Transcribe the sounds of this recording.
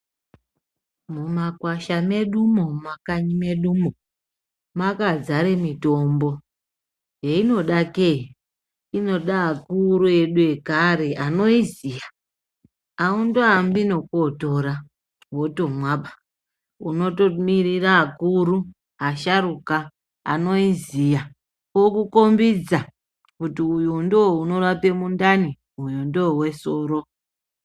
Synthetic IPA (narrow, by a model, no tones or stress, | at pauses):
mumakwaʃame̞ɗumomakaɲime̞ɗumo | makad͡zaɾe̞mito̞mbo̞ | jeino̞ɗakei | ino̞ɗaːkuɾue̞ɗue̞kaɾe̞ʔano̞izija | aundoambino̞koto̞ɾa | wo̞to̞mwaɓa | uno̞tomiɾiraːkuɾu | ɦaʃaɾuka | a̰no̞izija | kokuko̞mbid͡za | kutiujundowouno̞rape̞mundani | ujundoowe̞so̞ːɾo̞